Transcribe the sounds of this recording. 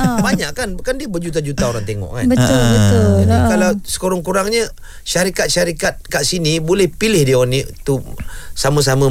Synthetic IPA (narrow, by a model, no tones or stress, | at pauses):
baɲaʔkanbkandiəbəd͡ʒut̪̬ad͡ʒut̪aoɾaŋt̪eŋɔ̰ʔka̰nbət̪ʊlbət̪ʊd͡ʒadikalawsə̥koɾɔŋkuɾaŋɲə | ʃaɾikat̪̚ʃaɾikat̪̚kaʔsinibolɛhpilɪhdiəonit̪usamas̬amã